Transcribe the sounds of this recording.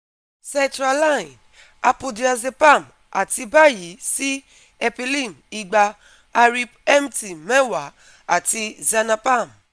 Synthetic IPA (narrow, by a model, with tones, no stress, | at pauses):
sɛ̃˧ntɾa˧la˦˨ĩ˨n | a˧pu˧di˨a˧ze˧pa˦˨m | a̰˨ti˧ba˦ji˨˦si˦ | ɛ˧pi˧li˦˨m | i˧ɡ͡ba˧ | a˧ɾi˧pɛ˦m˦ti˨mɛ˦wa˨ | a˨ti˧za˧na˧pa˦˨m